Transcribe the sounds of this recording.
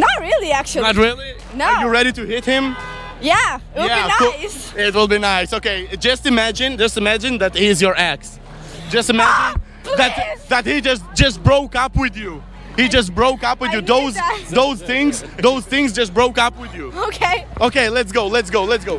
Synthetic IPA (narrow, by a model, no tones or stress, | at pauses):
nət̚ɹɪlˠiæk̚t͡ʃ̩ˠnət̚ɹɪlˠi | nojɨɹɛɾitɨhɪt̚hɪ̃m | jæwjæs | ɪt̬̚wɪlˠbinaɪsoʊkeɪd͡ʒʌstɨmæd͡ʒɨ̃nd͡ʒʌstɨmæd͡ʒɨ̃nðɨthiɨzjə˞æks | d͡ʒʌstɨmæd͡ʒɨ̃n | ðɨt̚ðɨt̚hid͡ʒʌstd͡ʒʌst̚bɹoʊkʌpwɪðju | hid͡ʒʌs̬t̚bɹoʊkʌpwɨðjɨðoʊzðoʊzθɪ̃ŋzðoʊz̥θɪ̃ŋzd͡ʒʌst̚bɹoʊkʌpwɪðjuoʊkʰeɪoʊkeɪlɛtsɡ̥oʊlɛtsɡ̥oʊlɛtsɡ̥oʊ